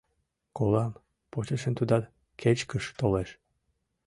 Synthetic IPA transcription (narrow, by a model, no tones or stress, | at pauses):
kolɑm | pot͡ɕeʃə̆nt̪ud̪ɑt̪ | kʰet͡ɕkəʃt̪oleʃ